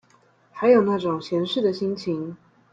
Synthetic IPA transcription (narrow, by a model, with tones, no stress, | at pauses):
xa˧˥ɪjo˨˩ʊna˥˩ʈ͡ʂʊ˨˩ŋɕjɛ˧˥nʂɻ̩˥˩d̪ə˩ɕi˥nt͡ɕʰi˧˥ŋ